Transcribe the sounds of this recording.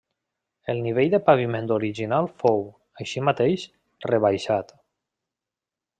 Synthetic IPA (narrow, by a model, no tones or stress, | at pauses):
elˠniβ̞eʎðepaβimẽnd̪oɾiʒinalˠfow | əʃimat̪ejʃ | reβajʃat̪